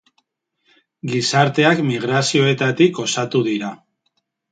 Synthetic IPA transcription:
ɡisaɾt̪e̞akmiɣ̞ɾasio̞e̞t̪at̪iko̞sat̪uðiɾa

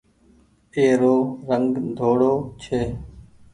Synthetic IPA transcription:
eːɾoːɾəŋɡd̪ʱoːɽoːt͡ʃʰeː

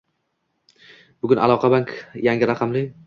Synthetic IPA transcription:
b̥ʊɡʲʊna̰lˠɒqʰɑbaŋkʰjaŋʲɪɾaqʰɑmlɪ

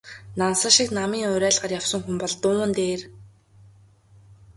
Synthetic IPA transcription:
nansə̆ʃiknamiːŋʊɾæːɮɢə̆rjawsə̆ŋxumpɔɮt̪ʊːə̆nt̪eːr

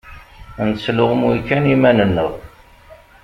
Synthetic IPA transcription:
nslʊʁmukːænimænənːəʁ

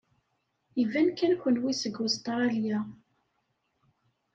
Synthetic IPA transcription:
jəvænkːænkʷənwisəɡʊst̪ˤɾɾˤɑlja

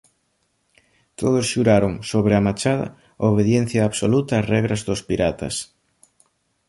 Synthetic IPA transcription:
t̪oðosʃuɾaɾoŋsoβ̞ɾeamat͡ʃað̞ɐ̰ | oβeðjen̟θjaːβsolut̪ɐːrɛɣɾɐzðospiɾat̪ɐ̰s

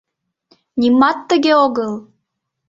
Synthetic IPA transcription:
nʲimɑt̪ːəɣeoɣəl

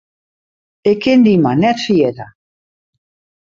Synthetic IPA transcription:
ekend̪imanɛt̪siet̪a

